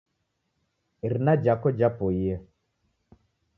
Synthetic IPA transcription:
iɾnad͡ʒakɔd͡ʒapɔia

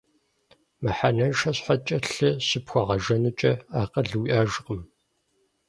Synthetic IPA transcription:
mɨħanɐʃɐɕħat͡ʃʼɐɬɨsɨpxʷɐʁɐʒɐnɨt͡ʃʼɐaːqɐɮɨwiʔaːʒɨqʼəm

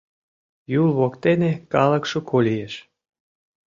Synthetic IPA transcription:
julβokt̪enekɑlə̆kʃokʰolʲijeʃ

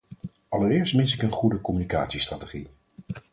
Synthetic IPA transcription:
ɑləɾɪːɹstmɪnsɪkənχudəkɔmynika̰ːtsistratəχḭ

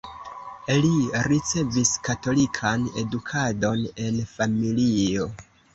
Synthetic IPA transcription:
iliɾit͡se̞viskato̞likʰane̞dukʰado̞ne̞nfamilio̞

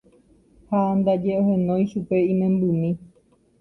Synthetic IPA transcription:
hand̪ad͡ʒeʔohẽnõj̃ʃupe̞ĩmẽ̞mbɨmĩ

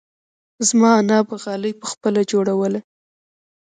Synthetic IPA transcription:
zmɑanɑbaɣɑləjpəxpəlad͡ʒoɽawəla

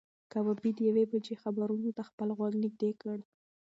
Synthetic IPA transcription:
kawabid̪əjawebad͡ʒexabaɾunot̪axpəlɣwaɡnɪɡ̚d̪ekəɽ

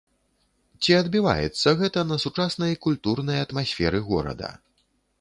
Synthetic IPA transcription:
t͡sʲiɐd̪bʲiva̰jɛ̰t̪sːɐɣɛt̪ɐnɐsut͡ʂasnɐjkulʲt̪urnɐjɐt̪masʲfʲɛɾɨɣɔ̰ɾɐ̰d̪ɐ̰

